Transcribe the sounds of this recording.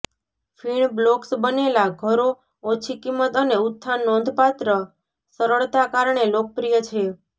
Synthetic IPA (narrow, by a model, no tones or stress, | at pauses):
fʰiɳbloksbənelaɡʱəɾo | ot͡ʃʰikimət̪əneut̪ʰːanɔ̃nd̪ʱpat̪ɾə | səɾəɭt̪akaɾɳelok̚əpɾijət͡ʃʰe